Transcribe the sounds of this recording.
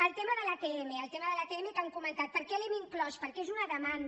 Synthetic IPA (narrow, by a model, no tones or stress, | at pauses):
əlˠt̪eməðələkeɛmeəlˠt̪eməðələkeɛmek̪aŋkumənt̪at̪̚pəɾkɛlɛmiŋklɔspəɾkezunəðəman